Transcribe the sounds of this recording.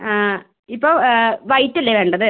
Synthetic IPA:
a | ipːoːʋɐjtːɐlːeʋe̞ːɳɖɐðɨ

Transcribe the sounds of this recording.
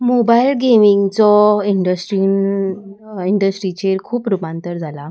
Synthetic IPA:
mobailɡemiŋɡt͡sɔiɳɖəsʈɾin | iɳɖəsʈɾit͡ɕeɾkʰuːpɾupãnt̪əɾd͡zʱala

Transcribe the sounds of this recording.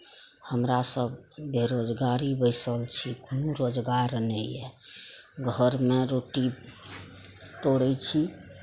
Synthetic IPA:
həmɾasəbːʱeɾod͡ʒɡaɾibəɪsəlt͡ʃʰikunuɾod͡ʒɡaɾnɛɛ | ɡʱəɾmeɾoʈi | t̪oɽɛt͡ʃʰi

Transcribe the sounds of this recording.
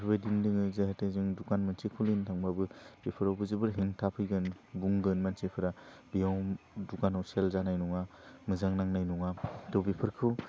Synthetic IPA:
pʰbajdimdɯŋɯzahatajzɯŋdukanmansekʰulintʰaŋbabɯbepʰɯɾawbɯzɯbɯɾɦiŋtʰapʰɯjɡɯn | buŋɡɯnmansepʰɯɾabijawdukanawselzanajnuŋamɯzaŋnaŋnajnuŋatɔwbipʰɯɾkʰɯw

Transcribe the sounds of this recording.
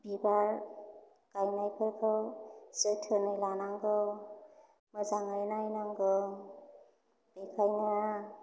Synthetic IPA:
bibaɾ | kajnajkʰɯɾkʰɯsɯtʰɯnɯjlanaŋɡɯ | mɯzaŋajnajnaŋɡɯ | b̥ikʰajna

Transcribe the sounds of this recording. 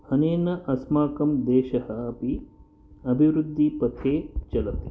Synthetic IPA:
ɐneːnɐʔɐsmaːkɐmd̪ɛːʃɐhɐɐpi | ɐbʱiʋɾud̪ʱːipɐt̪ʰeːt͡ʃɐlɐt̪e̥

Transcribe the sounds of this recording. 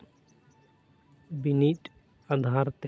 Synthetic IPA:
biniʈ | ad̪ʱaɾt̪ɛ

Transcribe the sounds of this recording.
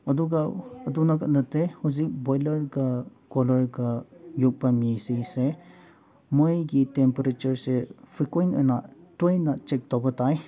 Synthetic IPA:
ɐduɡaːdunakɐt̚nɐtehuzik̚bɔjlɐɾɡa | kɔlɔɾɡajuk̚bamisese | mɔjɡitempeɾet͡ʃɐɾsepʰikojnə̰natojnat͡ʃek̚tɔbɐtaj

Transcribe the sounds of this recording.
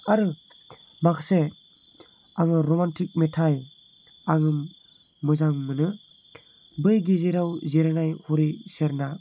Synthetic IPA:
aɾɯ | makse | aŋɯɾomantʰik̚metʰaj | aŋɯ | mɯzaŋmɯnɯ | bɯjɡiziɾawzeɾanajhuɾiseɾna

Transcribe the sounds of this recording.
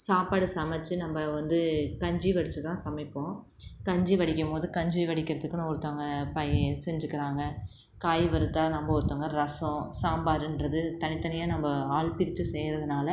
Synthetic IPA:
saːpaːɽɯsɐmɐt͡ʃːɯnɐmbɐʋɐnd̪ɯkɐɲd͡ʒiʋɐɽɪt͡ʃːɯt̪ãːsɐmɪpːõ | kɐɲd͡ʒiʋɐɽɪkːɐmpoːðɯkɐɲd͡ʒiʋɐɽɪkːɪɾɐðɯkːɯnɔɾɯt̪ːoŋɡɐpɐjɛsɛɲd͡ʒɯkːɪɾaːŋɡɐ | kaːjʋɐɾɯt̪ːaːnɐmbɐɔɾɯt̪ːoːŋɡɐɾɐsõsaːmbaːɾɯndɾɐðɯt̪ɐnɪt̪ːɐnɐjaːnɐmbɐaːɭpɪɾɪt͡ʃːɯsɛjɾɐðɯnaːlɐ

